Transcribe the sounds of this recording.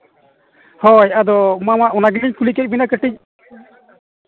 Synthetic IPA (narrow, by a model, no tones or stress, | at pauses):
hɔjad̪ɔmamaʔɔnaɡiniɲkulikɛc̚binakəʈic̚ˀ